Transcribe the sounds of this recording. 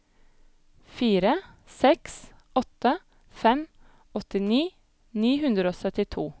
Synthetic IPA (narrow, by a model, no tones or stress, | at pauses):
fiːɾə | sɛks | ʔɔt̪ə | fɛm | ɔt̪ɪniː | niːhʉnd̪ɾəoːsœt̪ɪt̪ʰuː